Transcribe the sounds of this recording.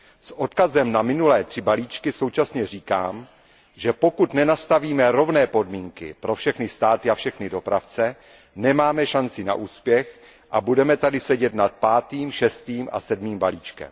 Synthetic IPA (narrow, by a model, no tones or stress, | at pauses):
sʔo̞t̪kazɛmnamɪnulɛːt̪r̝̥ɪbaliːt͡ʃkɪso̞wt͡ʃasɲɛr̝iːka̰ːm | ʒɛpo̞kut̪nɛnast̪aviːmɛɾo̞vnɛːpo̞dmiːŋkɪ̰pɾo̞fʃɛxnɪst̪aːt̪ɪafʃɛxnɪdo̞pɾa̰ft͡sɛ | nɛmaːmɛʃant͡sɪna̰ʔuːspjɛx | ʔabudɛmɛt̪adɪsɛɟɛt̪nat̪̚paːt̪iːmʃɛst̪iːmʔa̰sɛdmiːmbaliːt͡ʃkɛ̰m